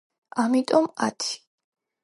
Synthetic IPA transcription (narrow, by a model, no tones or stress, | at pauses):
amit̪ʼɔmat̪ʰi̥